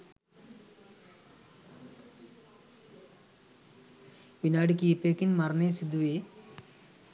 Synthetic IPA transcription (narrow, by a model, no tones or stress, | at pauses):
ʋinaːɽik̬iːpeːkinmɐɾɐneːsid̪uʋeː